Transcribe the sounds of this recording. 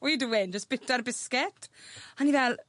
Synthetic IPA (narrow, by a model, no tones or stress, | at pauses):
ɔjiduwɪnd͡ʒəsb̥ɪtarbɪskɪtanivɛl